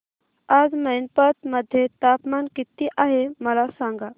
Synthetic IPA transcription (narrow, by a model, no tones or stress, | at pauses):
ad͡zmənpət̪məd̪ʱːjet̪apmankit̪iːʔaɦeməlasãŋɡa